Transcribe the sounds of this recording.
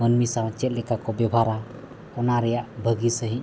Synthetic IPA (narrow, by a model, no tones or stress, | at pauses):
ənmisawat͡ʃɛt̪̚lɛkakɔbɛbʱaɾa | ɔnaɾɛjaʔbʱəɡisəɦĩ